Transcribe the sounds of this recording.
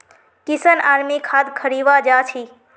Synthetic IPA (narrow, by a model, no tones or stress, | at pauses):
kɪsənaːɾmikʰaːd̪kʰəɾiːʋad͡ʒaːt͡ʃʰiː